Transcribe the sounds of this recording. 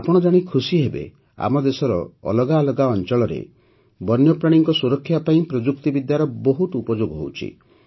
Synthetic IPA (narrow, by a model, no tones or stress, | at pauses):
apɔɽ̃ɔd͡ʒaɽ̃ikʰusiɦebḛ | a̰mɔd̪esɔɾɔ̰ːlɔɡalɔɡaɔnt͡ʃɔɭɔɾḛ | bɔnjɔpɾaɽ̃iŋkɔsuɾɔkʰːjapaĩpɾɔd͡ʒuk̚t̪ibid̪jaɾɔboɦut̪upɔd͡ʒoɡɦo̰wt͡ʃʰḭ